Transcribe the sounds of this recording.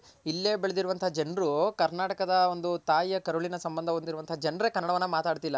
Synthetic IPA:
ilːe̞ːbeɭed̪iɾuʋɐnt̪ʰad͡ʒɐnɾukɐɾnaːʈɐkɐd̪ɐo̞nd̪ut̪aːjɐkɐɾuɭinɐsɐmbɐnd̪ʱɐɦond̪iɾuʋɐnt̪ʰɐd͡ʒɐnɾekɐnːɐɽɐʋɐnːɐmaːt̪aːɖt̪ilːɐ

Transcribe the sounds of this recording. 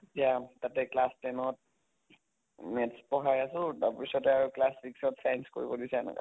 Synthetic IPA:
itijatatɛklastɛnɔt̚ | mɛtspɔɦajasʊdappisɔtɛaɹuklasbiksɔtsajnsko̰ɹibɔdisɛɛ̰na̰ka̰

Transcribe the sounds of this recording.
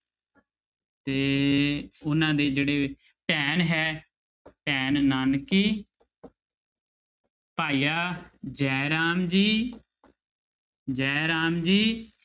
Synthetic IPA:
t̪eː | ʊnãːd̪eːd͡ʒeːɽeː | pɛːnɦɛː | pɛːnnaːnkiː | paːiːaːd͡ʒɛːɾaːmd͡ʒiː | d͡ʒɛːɾaːmd͡ʒiː

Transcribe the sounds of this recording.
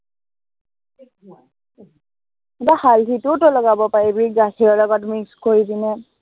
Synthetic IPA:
ɛtahaltʰitʊtɔlɔɡabɔpaɹɛbɹiɡasʰiɔlɔɡɔtmikskoɹidinɛ

